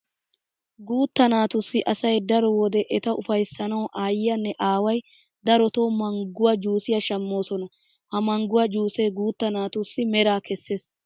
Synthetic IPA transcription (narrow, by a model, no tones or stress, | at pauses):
ɡuːt̪ːɐnaːt̪ʊsːɪʔɐsɐjd̪ɐɾɔwɔd̪ɛʔɛt̪ɐʊfɐjsːɐnɐwʔaːjɪjɐnːɛʔaːwɐj | d̪ɐɾɔt̪o̞ːmɐŋɡʊwɐd͡ʒuːsɪjɐʃɐmːo̞ːsɔnɐ | hɐmɐŋɡʊwɐd͡ʒuːsɛːɡuːt̪ːɐnaːt̪ʊsːɪmɛɾaːkɛsːeːs